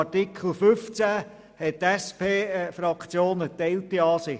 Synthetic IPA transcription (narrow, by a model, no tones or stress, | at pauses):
tɪkʰl̩fʏft͡sæ | hɛt̚tɛspʰeːfɾɑkt͡sjoːnətɛɪltːiɑːsɪ